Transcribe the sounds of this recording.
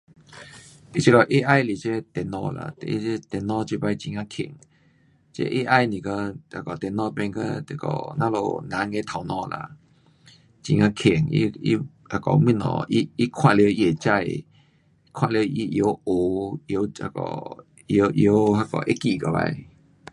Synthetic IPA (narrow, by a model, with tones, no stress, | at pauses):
i˦t͡ɕʰi˧kɔ˧ʔe˦ʔa˧jli˨˩t͡ɕe˦t̪ɛ˨nɔ̃˧la̰˧˨t̪i˧e˦t̪ɛ˨˩nɔ̃˧˦t͡ɕi˧˦ba˧jt͡ɕĩ˧ŋã˧kʰḭ˨˩ŋ | t͡ɕḛ˦ʔe˦ʔa˧jnĩ˨ka˧a˧˩kɔ˨t̪ɛ˨nɔ̃˦˧pɛ˧ŋkə˦t̪e˨˩kɔ̰˨nã˦lo̰˨nã˨˧˦ŋe˧˦t̪ʰa˨wnɔ̃˧˨la̰˧ | t͡ɕĩ˧ŋã˧kʰi˨˩ŋḭ˧i˧ | a˧kɔ˨mĩ˦˧˨nɔ̰̃˨i˦˧i˦kʰwã˧˨le˧i˧e˨˩t͡ɕa˧˨j | i˦kʰw̃ã˧˨le˧i˧ʔjo˧˦o˨jo˧˦a̰˧˩kɔ̰˨ | jo˧˦ʔjo˧˦ha˧kɔ̰˨ʔe˦ki˧˨ka˧ba̰˧j